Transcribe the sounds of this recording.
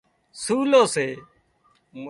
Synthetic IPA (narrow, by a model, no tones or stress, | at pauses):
suːloːseː | m